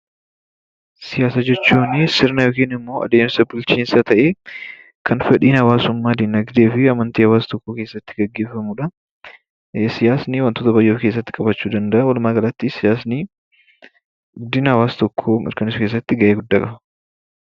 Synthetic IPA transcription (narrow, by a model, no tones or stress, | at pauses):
sɪjaːsɐd͡ʒɛt͡ʃːuːnɪsɪɾnɐjoːkiːnɪmːo̞ːɐ̰d̪eːmsɐbʊlt͡ʃiːnsɐt̪ʰɐʔe̞ː | kʰɐnfɛᶑiːnhɐwaːsʊmːaːd̪ɪnɐɡd̪e̞ːfɪɐmɐnt̪iːhɐwaːst̪ɔkːoːke̞ːsːɐt̪ːɪɡɐɡːe̞ːfːɐmuːᶑɐ | sɪjaːsniwɐnt̪oːt̪ɐbɐjːoːfke̞ːs̬ːɐt̪ːɪ̥kʼɐbɐt͡ʃːuːd̪ɐnd̪ɐʔɐwɐlʊmaːɡɐlɐt̪ːɪsɪjaːsni | ɡɡʊd̪ɪnhɐwaːst̪ɔkʰːomɐ̰ɾkɐnɪsʊkeːs̬ːɐt̪ːɪɡɐʔeːɡʊd̪ːaːkʼɐbɐ̥